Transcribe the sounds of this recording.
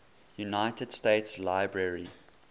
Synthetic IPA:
junaɪtəd̥steɪtslaɪbɹɛɹi

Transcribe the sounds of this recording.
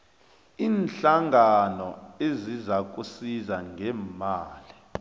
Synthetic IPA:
iːnɬaŋʱanɔezizak̬ʼusizaŋʱɛmaːli

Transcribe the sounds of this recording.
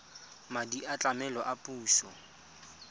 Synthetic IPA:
madiat͡ɬʼamɛlɔʔapʼuːsɔ

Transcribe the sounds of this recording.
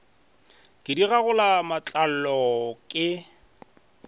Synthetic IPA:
kʼɪdiɣaɣʊlamat͡ɬʼal̩lɔkʼɪ

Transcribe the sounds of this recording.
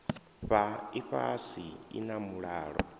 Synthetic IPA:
ɸaiɸa̰siḭnamuɺaːɺɔ

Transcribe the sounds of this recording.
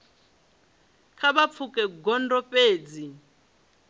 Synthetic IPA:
kʰabap̪fʰukʼɛɡɔndɔpʼeːd͡zi

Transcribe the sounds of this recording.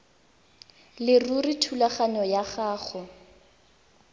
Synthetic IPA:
lɪruritʰulaχaɲɔjaχaːχʊ

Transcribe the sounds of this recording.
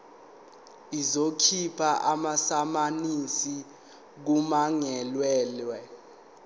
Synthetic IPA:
izokʰipʰaʔamasamanisi | k̬umaŋɛlwɛːlwɛ

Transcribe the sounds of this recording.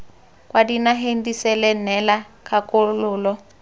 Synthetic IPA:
kʼwʔadinaɦendisɛlɛnɛla | kʰakʼolʊːlɔ

